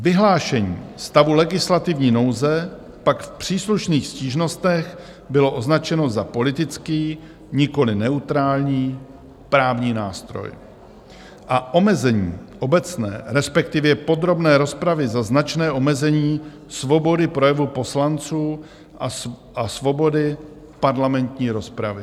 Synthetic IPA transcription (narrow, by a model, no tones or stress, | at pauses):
vɪɦlaːʃɛɲḭːst̪avulɛɡɪslat̪ɪvɲiːno̞wzɛ | pakfpr̝̥iːsluʃniːxsciːʒno̞st̪ɛx | bɪlo̞ʔo̞znat͡ʃɛno̞zapo̞lɪt̪ɪt͡skiː | ɲɪko̞lɪnɛut̪ɾaːlɲiː | pɾaːvɲiːnaːst̪ɾo̰j | ʔaʔo̞mɛzɛɲiːʔo̞bɛt͡snɛ̰ːɾɛspɛk̚t̪ɪvjɛpo̞d̪ɾo̞bnɛːɾo̞spɾavɪzaznat͡ʃnɛːʔo̞mɛzɛɲiː | svo̞bo̞dɪpɾo̞jɛvupo̞slant͡suː | ʔa | ʔasvo̞bo̞dɪ | paɾlamɛnt̪ɲiːɾo̞spɾavɪ